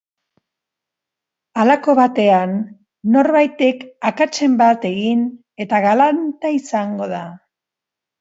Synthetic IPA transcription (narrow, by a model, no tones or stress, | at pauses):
alako̞βat̪e̞anː | o̞ɾβajt̪ekakat͡ʃe̞mbat̪e̞ɣin | e̞t̪aɣalant̪aisaŋɡo̞ða